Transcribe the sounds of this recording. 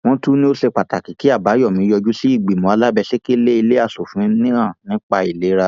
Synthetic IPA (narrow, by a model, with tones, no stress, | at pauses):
w̃ɔ̃˦tu˦nĩ˦o˦se˧k͡pa˨ta˨ki˨ki˦a˦˨ba˨˦jɔ˦˨mĩ˨˦jɔ˧d͡ʒu˦si˦i˦˨ɡ͡bi˨mɔ̃˨˦a˧la˦bɛ˧ʃe˦ke˦i˧le˦i˧le˦a˦˨so˨fũ˨˦nĩ˦ã˦˨nĩ˨˦k͡pa˧i˨le˨˦ɾa˧